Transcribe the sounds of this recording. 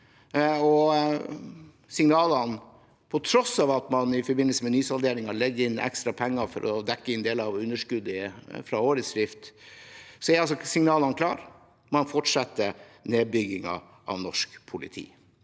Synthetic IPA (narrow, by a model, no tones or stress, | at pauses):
ɔ | sɪŋnɑːlɑn | pʰɔt̪ʰɾɔsɑːʋɑt̪mɑnɪfɔɾbɪnəl̩səmɛnyːsɑld̪eːɾɪŋɑɭɛɡːəɾɪnːɛ̰kst̪ɾɑpʰɛŋːɑfɔ̰ɾʔɔ̰d̪ɛkːəɪnd̪eːlɑʋʉnːəʂkʉd̪əfɾɑoːɾəsɾɪft̪ | sɔɛɾɑlsɔsɪŋnɑːlɑnkʰlɑ̰ːɾ | mɑnfɔʈʂɑt̪ːəneːbʏɡɪŋɑ̰ | ʔɑ̰ʋnɔʂkpʰʊlɪ̰t̪ʰḭː